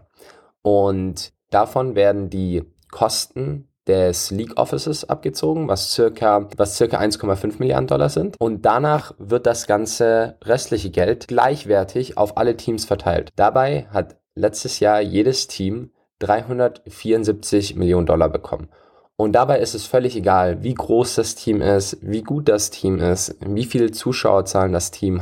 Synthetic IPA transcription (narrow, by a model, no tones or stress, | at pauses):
ʔʊnt | d̥afɔnveːɐdn̩diː | kʰɔstn̩ | d̥ɛsliːkʔɔ̰fɪsəsʔa̰p̚ɡ̥ət͡soːɡŋ̩vast͡sɪɐkʰɐvast͡sɪɐka̰ʔa̰ɪnskʰɔmafʏnfmɪlja̰ɐdn̩dɔ̰la̰zɪntʔʊnt̚d̥anaːχvɪɐt̚d̥asɡ̥ant͡səʁɛstʰlɪçəɡɛltɡ̥la̰ɪçv̥ɛɐtʰɪça̰ʊfʔa̰lətʰiːmsfɛɐtʰa̰ɪltd̥abaɪɦat | lɛt͡stəsjaːɐjeːɾəstʰiːm | d̥ʁaɪɦʊndɐtfiːɐʊntzip̚t͡sɪçmɪljoːnəndɔ̰la̰bəkʰɔ̰mən | ʔʊnt̚d̥abaɪɪstɛsfœlɪçeɡaːlviːɡʁoːsd̥astʰiːmʔɪstviːɡuːt̚d̥astʰiːmɪstviːfiːlət͡suːʃa̰ʊɐt͡saːləndastʰiːm